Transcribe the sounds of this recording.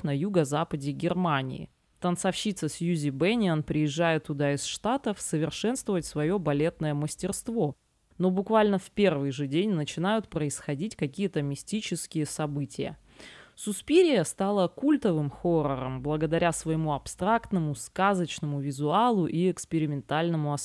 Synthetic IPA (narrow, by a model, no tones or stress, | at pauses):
nɐjuɡəzapədʲɪɡʲɪrmanʲɪ̰ɪ̰ | t̪ənsɐfɕit̪səsʲjuzʲɪbɛnʲɪənpɾʲɪjɪʐːajɪt̪ːʊd̪aɪsʂt̪at̪əfsəvʲɪrʂɛn̪st̪vəvətʲsvɐjo̞bɐlʲe̞t̪nəjəməsʲtʲɪrst̪vo̞ | no̞bʊkvalʲnəfpʲe̞rvɨjʐɨdʲenʲnət͡ɕɪnajʊt̪̚pɾəɪsxɐdʲitʲkɐkʲijət̪əmʲɪsʲtʲit͡ɕɪskʲɪjəsɐbɨtʲɪjə̰ | sʊspʲiɾʲɪjəst̪alˠəkulʲt̪əvɨmxoɾəɾə̰mblˠəɡəd̪ɐɾʲasvəjɪmuɐpst̪ɾakt̪nəmʊskazət͡ɕnəmʊvʲɪzʊalˠʊʔiɛkspʲɪɾʲɪmʲɪnt̪alʲnəmʊɐ